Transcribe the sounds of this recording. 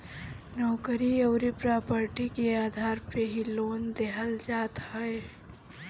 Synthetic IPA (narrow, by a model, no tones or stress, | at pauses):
nɔːkəɾiɐʊɾipɾaːpəɾʈikeaːd̪ʱaːɾpeɦiloːnd̪eɦəld͡ʒaːt̪ɦɐe